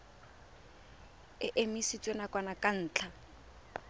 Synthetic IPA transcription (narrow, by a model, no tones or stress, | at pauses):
ɪʔemisit͡sʼwenakʼwanakʼan̩ːt͡ɬʰa